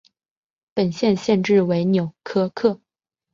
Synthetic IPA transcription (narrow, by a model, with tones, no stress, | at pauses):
pə˨˩nɕjɛ˥˧nɕjɛ˥˧nʈ͡ʂɻ̩˥˩we˧˥ɪnjo˨˩ʊkʰɤ˥kʰɤ˥˩